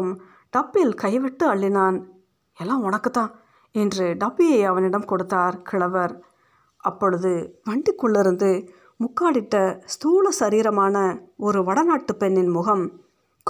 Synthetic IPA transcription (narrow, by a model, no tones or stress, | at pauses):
ɯm | ɖɐpːɪɪlkɐɪʋɛʈːɯɐɭːɪnaːn | ɛlːaːʋɔɳɐkːɯt̪ːãː | ɛndrɯɖɐpːijɐɪɐʋɐnɪɽɐmkɔɽɯt̪ːaːɾkɪɭɐʋɐɾ | ʔɐpːɔɻɯðɯʋɐɳɖɪkːɔɭːɪɾɯnd̪ɯ | mʊkːaːɽɪʈːɐst̪uːlɐsɐɾiːɾɐmaːnɐɔɾɯʋɐɽɐnaːʈːɯpɛɳːɪnmʊɣɐm | k